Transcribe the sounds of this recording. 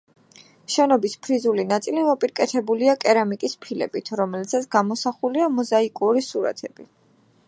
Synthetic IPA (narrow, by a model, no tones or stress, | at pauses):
ʃɛnɔbispʰɾizulinat̪sʼilimɔpʼiɾkʼɛt̪ʰɛbuliakʼɛɾamikʼispʰilɛ̰bit̪ʰɾɔmɛlt̪sat̪sʰɡ̥amɔsaχuliamɔzaikʼuɾisuɾa̰t̪ʰɛb̥i